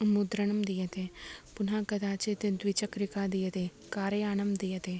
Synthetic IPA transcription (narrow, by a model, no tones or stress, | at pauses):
mud̪ɾənɐmd̪ijɐt̪epʊnãːkɐd̪aːt͡ʃet̪ẽd̪wit͡ʃəkɾɪkaːd̪ijɐt̪e | kaːɾeaːnɐmd̪ijɐt̪eː